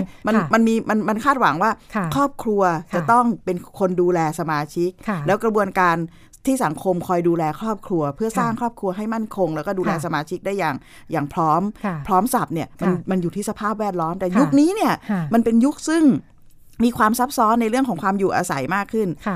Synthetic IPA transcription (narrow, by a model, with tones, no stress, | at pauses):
ma˧nma˧nmiː˧ma˧nma˧nkʰaː˥˩t̪̚wa̰˩˦ŋwaː˥˩kʰɾɔː˥˩p̚kʰɾu˧ɐt͡ɕt͡ɕa˨˩t̪ɔ˥˩ŋpe˧nkʰo˧nduː˧lɛː˧sa˧maː˧t͡ɕʰi˦˥k̚ʰlɛː˦˥wkɾa˧bu˧ənkaː˧n | t̪ʰiː˥˩sa˩˦ŋkʰo˧mkʰɔː˧jduː˧lɛː˧kʰɾɔː˥˩p̚kʰɾu˧ɐpʰɯ˥˩ɐsaː˥˩ŋkʰɾɔː˥˩p̚kʰɾu˧ɐɦa˥˩jma˥˩nkʰo˧ŋlɛː˦˥kɔː˥˩duː˧lɛː˧˩sa˧maː˧t͡ɕʰi˦˥k̚da˥˩jaː˨˩ŋ | jaː˨˩ŋpʰɾɔː˦˥mpʰɾɔː˦˥msa˨˩p̚ni˥˩ɐma˧nma˧njuː˨˩t̪ʰiː˥˩sa˧pʰaː˥˩p̚wɛː˥˩t̪̚lɔː˦˥mt̪ɛː˨˩ju˦˥k̚niː˦˥ni˥˩ɐma˧npe˧nju˦˥k̚sɯ˥˩ŋ | miː˧kʰwaː˧msa˦˥p̚sɔː˦˥nːa˧jɾɯ˥˩əŋʰkɔː˩˦kwaː˧mjuː˨˩ʔa̰ː˧sa̰˩˦jmaː˥˩kʰːɯ˥˩n